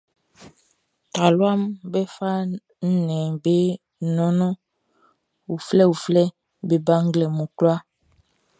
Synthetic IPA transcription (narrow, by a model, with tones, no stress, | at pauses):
ta˨lwa˦mbɛ˦fa˦ | n̩˦nɛ̃˨be˦˨ | nɔ̃˦nɔ̃˦ | u˨flɛ˦u˨flɛ˦ | be˨ba˦ŋ̩˦ɡlɛ˨mũ˨klwa˦